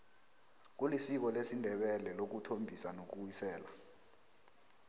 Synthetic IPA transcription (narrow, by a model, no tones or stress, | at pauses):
k̬ulisiɓɔlesindʱɛɓɛlɛlok̬utʰombʱisanok̬uwisɛːla